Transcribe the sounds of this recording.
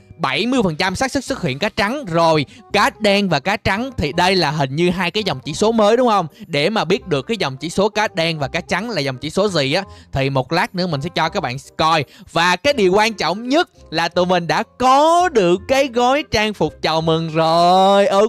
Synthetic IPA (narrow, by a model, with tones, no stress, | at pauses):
ɓa˧˩jmɨ˧əjfə˨˩nt͡ɕa˧msaː˦˥k̚sɨ˦˥k̚sɨ˦˥hḭ˧˨ənkaː˨˦˥t͡ɕa˨˦ŋzo˨˩jkaː˨˦˥ɗɛ˧nvaː˨˩kaː˨˦t͡ɕa˨˦ŋt̪ʰi˨˩ɗə˧jlaː˨˩ɦï˨˩ŋ̟ɲɨ˧ɦaː˧jkaː˨˦jza˨˩wŋ͡mt͡ɕḭ˧˥so˨˦məː˨˦jɗʊ˨˦ŋ͡mxə˧wŋ͡mɗe˧˩maː˨˩ɓi˦˥ət̚ɗɨ˨˩əkːaː˨˦jzə˨˩wŋ͡mt͡ɕḭ˧˩˥so˨˦kaː˨˦˥ɗɛ˧nvaː˨˩kaː˨˦˥t͡ɕa˨˦nlaː˨˩zwŋ͡mt͡ɕi˧˥so˨˦zi˨˩ʔaː˨˦˥t̪ʰi˨˩mo˨˩t̚laː˦˥nɨ̰˧˥mï̟˨˩sɛ̰˧˥˦t͡ɕɔ˧kaː˦˥k̚ɓa̰ː˧˨˥kɔ˧jvaː˨˩kaː˨˦jɗi˨˩əwkwaː˧nt͡ɕɔ̰˧˨wŋ͡mɲə˦˥t̚ | laː˨˩t̪ɨ˨˩mï˨˩ŋ̟ɗa̰ː˧˥kɔ˨˦ɗɨ˨˩əkːaː˨˦jɣɔ˨˦jt͡ɕaː˧ŋfʊ˨˩k͡p̚t͡ɕə˨˩wmɨ˨˩ŋzo˨˩jʔəː˧